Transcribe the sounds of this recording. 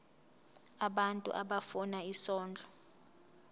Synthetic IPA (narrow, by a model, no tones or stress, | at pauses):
aɓantʼṵʔa̰ɓafɔnaisɔːnd͡ɮʱɔ